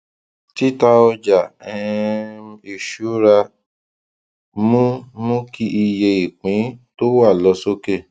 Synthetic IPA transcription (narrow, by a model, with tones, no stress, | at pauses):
ti˦ta˧ɔ˧d͡ʒa˨ɛ˨ | i˧˨ʃu˨˦ɾa˧ | mũ˦mũ˦ki˦ʔi˧je˧i˨k͡pĩ˨˦to˦wa˦˨lɔ˧so˦ke˦˨